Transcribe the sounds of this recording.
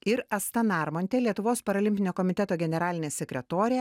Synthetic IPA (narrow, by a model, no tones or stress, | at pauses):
ɪɾɐst̪ɐnɑɾmɔnʲt̪ʲɛlʲiɛt̪ʊʋoːspɐɾɐlʲɪmʲpʲɪnʲoːkɔmʲɪt̪ʲɛt̪oːɡʲɛnʲɛɾɑːlʲɪnʲeːsʲɛkʲɾʲɛt̪oːɾʲe